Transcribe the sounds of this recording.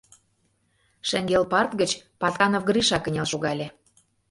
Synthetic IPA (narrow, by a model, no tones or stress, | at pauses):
ʃə̆ŋɡelpɑrt̪ɡət͡ɕpɑt̪ɑnofɡɾiʃɑkə̆nʲelʃoɣɑlʲĕ